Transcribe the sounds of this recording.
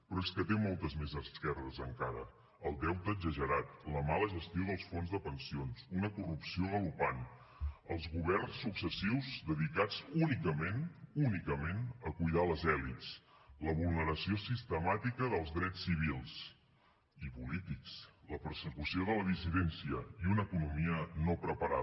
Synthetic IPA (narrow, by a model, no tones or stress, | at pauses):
pɾɔeskət̪emɔlˠt̪əzmezəskɛrðəzəŋkaɾə̰ | əlˠd̪ɛwt̪əːɡzəʒəɾat̪ləmaləʒəst̪ioðəlˠsfonzðəpənsionsunəkurupsioðəlupan | əlˠzɣuβɛrnsːuksəsiwzdəðik̪ad͡zunikəmenunikəmenəkujðaləzɛlits | ləβulˠnəɾəsiosist̪əmat̪ikəðəlˠzðɾɛt͡sːiβ̞ilˠs | ipulit̪iksləpəɾsəkusioðələðisiðɛnsiəiunəːkunumiənopɾəpəɾa̰